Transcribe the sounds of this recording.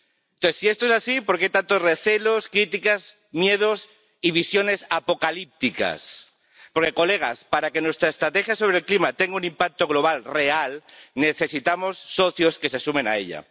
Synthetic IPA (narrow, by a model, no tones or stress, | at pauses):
noesie̞st̪oesasipoɾkeejt̪ant̪ozre̞θe̞lo̞skɾit̪ikaz | mje̞ð̞o̞s | iβ̞isjo̞ne̞sapo̞kalip̚t̪ika̰s | poɾke̞ko̞le̞ɣ̞a̰spaɾake̞nwe̞st̪ɾaest̪ɾat̪e̞xjaso̞β̞ɾelklimat̪e̞ŋɡaunĩmpak̚t̪o̞ɣ̞lo̞β̞alre̞alne̞θe̞sit̪amo̞sːo̞θjo̞ske̞sesumẽ̞na̰e̞̰ʎa̰